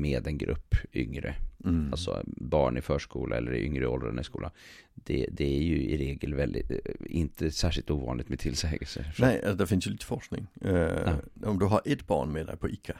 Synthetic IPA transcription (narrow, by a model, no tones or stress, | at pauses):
meːd̪ɛnɡɾɵpːʏŋɾəalt̪sɔbɑːɳɪfœːʂkuːlʔaɛlːəɾɪʔʏŋɾəɔlɾənɪskuːlʔa | d̪̥ɛd̪ɛæjɵɪɾeːɡəlvɛld̪ɪɪnt̪ʰəsæːʂɪlt̪uːvɑ̰ːnlɪɡ̚t̪mɛt̪ʰɪlsɛːɡəlsəfnɛasd̪æɾfɪnsjɵliːt̪əfɔʂknɪ̰ŋ | ɔmd̪ɵɦaɾʔɛt̪b̥ɑ̰ːɳmed̪ɛ̰jpʰɔʔɪkʰːa